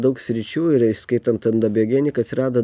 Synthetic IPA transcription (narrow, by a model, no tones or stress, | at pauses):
d̪ɐʊksʲɾʲɪt͡ʃʲuːɪɾɪʃskɐɪt̪ɐnt̪ɐnd̪ɐbʲɪɔːɡʲɛːnʲɪkɐt̪sʲɪɾɑːd̪oː